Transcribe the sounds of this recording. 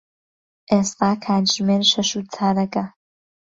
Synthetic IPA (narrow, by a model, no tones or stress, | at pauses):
ʔeːst̪aːkʰaːd̪ʒmeːɾʃɐʃut͡sʰaːɾɐkɐ